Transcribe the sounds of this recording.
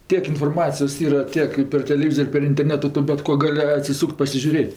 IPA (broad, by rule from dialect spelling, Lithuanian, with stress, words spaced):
ˈtʲiɛk ɪnfoːrˈmɑːt͡sʲɪjoːs ˈiːrɐ ˈtʲiɛk ɪ pʲɛr tʲɛlʲɛˈʋʲiːzoːrʲ ɪ pʲɛr ɪnʲtʲɛrʲˈnʲæːtʊ ˈtʊ bʲɛt ˈkoː ˈɡɑːlʲɪ ɐtʲsʲɪˈsuːkʲtʲ pɐsʲɪʒʲʊˈrʲeːtʲ